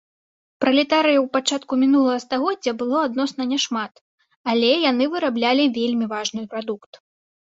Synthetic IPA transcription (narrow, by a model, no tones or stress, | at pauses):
pɾɐlʲɛt̪aɾɨjɐwpat͡ʂat̪kumʲinulˠɐɣɐst̪aɣɔdd͡zʲːɐbɨlˠɔad̪nɔsnɐnʲɛʂmat̪ | alʲɛjanɨvɨɾablʲalʲivʲelʲmʲivaʐnɨjpɾad̪ukt̪